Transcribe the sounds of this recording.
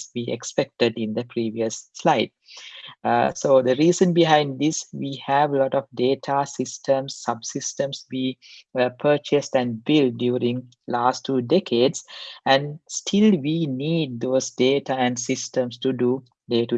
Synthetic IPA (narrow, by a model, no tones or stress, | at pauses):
ʋiːekspɛk̚ʈəɖĩnd̪əpɾiːʋiəsːlaɪɖ̚ | soːd̪əɾiːzə̃nbiɦãɪ̃nɖd̪isʋiːhæʋlɔʈɔfɖeːʈʰasɪsʈʰə̃msːʌbsɪsʈə̃msbiːpʰəːt͡ʃəsʈæ̃ɳbilɖjuːɾĩŋ | laːsʈʰːuːɖekʰeːɖsæ̃nsʈʰilʋiːniːɖ̚d̪oːzɖeːʈʰaæ̃nsɪsʈə̃msʈuɖuː | ɖeːʈu